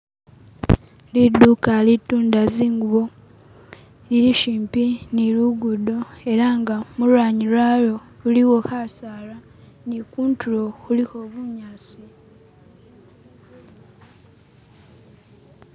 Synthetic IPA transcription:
lidːukalituːndaziːŋɡuβo | liɾiʃiːmpiniluɡudo̞e̞ɾaŋɡamulwaːɲilwalo̞ | uliwo̞hasaːla | nikuːntʰuɾo̞xuliho̞βuɲaːsi

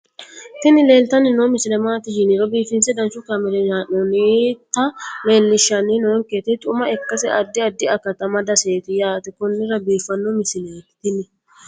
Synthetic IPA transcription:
t̪ɪnɪle̞ːlt̪ɐnɪnomɪsɪlɛmaːt̪ɪʃɪnɪɾɔbiːfɪnsɛd̪ɐnsʊkɐmɛlɛjaːnɔnit̪ːɐle̞ːlːɪʃːɐninoŋket̪ɪt̪ʼʊmɐɛkːɐsɛʔɐd̪ːɪɐd̪ːɪɐkːɐt̪ɐmɐd̪ɐseːt̪ɪjaːt̪ɛkʊnːɪɾɐbiːfɐnːɔmɪsɪleːt̪ɪnɪ

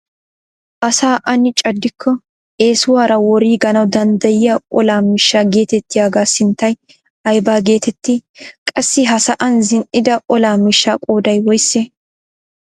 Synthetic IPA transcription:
ʔɐsaːʔɐnɪt͡ʃʼɐd̪ːɪkʰːɔ | ʔe̞ːsʊwaːɾɐwɔɾiːɡɐnɐwd̪ɐnd̪ɐjɪjaʔɔlaːmɪʃːaːɡe̞ːt̪ɛt̪ːɪjaːɡaːsɪnt̪ːɐj | ɐjbaːɡe̞ːt̪ɛt̪ːɪkʼɐsːɪɦɐsɐʔɐnzɪnʔɪd̪ɐʔɔlaːmɪʃːaːkʼoːd̪ɐjwɔjsːe

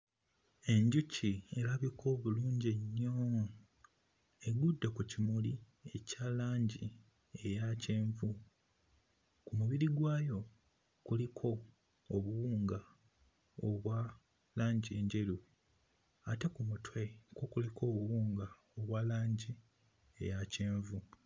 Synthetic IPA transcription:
e̞ɲɟucie̞laβikʰo̞ːβuluːɲɟeɲːo | e̞ɡudːakucimuli | e̞caːlaːɲɟi | e̞ɾace̞ːɱvu | kumuβiɾiɡwaːjo̞ | kulikʰo̞ː | βuwuːŋɡa | oβwa | laːɲɟie̞ːɲɟe̞ɾu | ate̞kumutʰwe̞ko̞kulikʰo̞ːβuwuːŋɡa | oβwaːlaːɲɟi | e̞̰jace̞ːɱvu

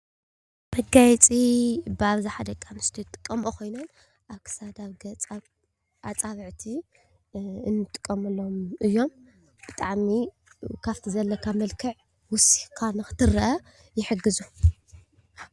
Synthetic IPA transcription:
b̥ɐɡajt͡sʼibɨaβziħad̪ɐkʼamɨst̪ʰit̪ʼːɨ̥kʼːɐmokʰo̞jnon | ʔakɨ̥sad̪aβɡɐ | ʔat͡sʼaβɨʕt̪ʰi | ɨnːɨt̪ʼːɨ̥kʼːɐmɐlːomʔɨjːo̞m | b̥ɨt̪ʼaʕmi | kʰaft̪ʰizɐlːɐkʰamɐlkʰɨʕ | wʊsi̥kʰanɨxɨ̥t̪ʰɨɾɐʔɐ | jɪħɨɡɨzu

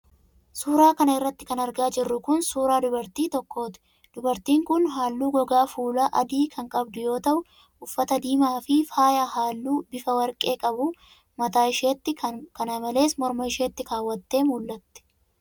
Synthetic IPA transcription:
suːɾaːkɐnɐɪrːɐt̪ːɪ̥kɐnɐɾɡaːd͡ʒɪrːʊkʊnsuːɾaːd̪ʊbɐɾt̪iːt̪ɔkːo̞ːt̪ɪ̥ | d̪̥ʊbɐɾt̪iːŋkʊnɦaːlːuːɡɔɡaːfuːlaːʔɐd̪iːkʰɐŋkʼɐbd̪ʊjo̞ːt̪ɐʔʊ | ʊfːɐt̪ɐd̪iːmaːfɪfaːjahaːlːuːbɪfɐwɐɾkʼe̞ːkʼɐbʊ | mɐt̪aːɪʃeːt̪ːɪkɐnamɐle̞ːsmɔɾmɐɪʃeːt̪ːɪkaːwːɐt̪ːe̞ːmʊlːɐt̪ːɛ̥

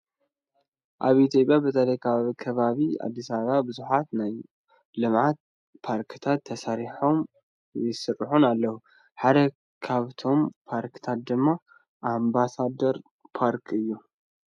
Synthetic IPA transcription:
ʔaβit̪ʰjo̞pʼjabɨt̪ʰɐlɐjkʰaβkʰɐβaβia̰d̪ːisaββabɨzuħat̪naj | lɨmʕat̪̚ | pʰaɾkʰt̪ʰat̪ʰːɐsaɾiħo̞m | jɪsɨrːɨħunalːɐhu | ħad̪ɐ | kʰaβt̪ʰo̞mpʰaɾkt̪ʰat̪̚d̪ɨmːa | ʔambasad̪ɐɾ | pʰaɾkʰɨjːu

